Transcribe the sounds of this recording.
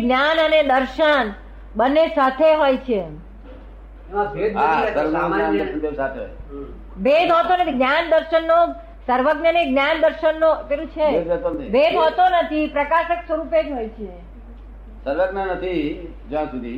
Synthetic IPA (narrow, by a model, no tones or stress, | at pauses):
ɡnjanəned̪əɾʃən | bənːesat̪ʰeɦojt͡ʃʰe | bed̪asəɾʋəɡnoɡjand̪əɾʃənt̪esat̪ʰeɦo̰j | bed̪ʱɦot̪onət̪ʰiɡnjand̪əɾʃənːo | səɾʋəɡnəneɡnjand̪əɾʃənːot̪eɾũt͡ʃʰeed̪et̪onət̪ʰibed̪ʱɦot̪onət̪ʰipɾəkaʃəksʋəɾuped͡ʒɦojt͡ʃʰe | səɾʋəɡnənət̪ʰi | d͡ʒãsud̪ʱi